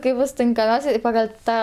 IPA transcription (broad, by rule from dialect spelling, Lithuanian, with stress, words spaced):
ˈkɐɪp ˈbʊs tʲɪŋkɐˈmʲɛʊsʲɛ ɪ pɐɡɐlʲ ˈtɑː